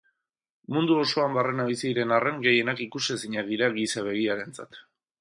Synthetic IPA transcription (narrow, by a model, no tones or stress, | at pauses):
mund̪uo̞so̞ambarenaβisiɾe̞nare̞ŋɡe̞je̞nakikusesiɲaðiɾaɣisaβ̞e̞ɣ̞iaɾe̞nt͡sa̰t̪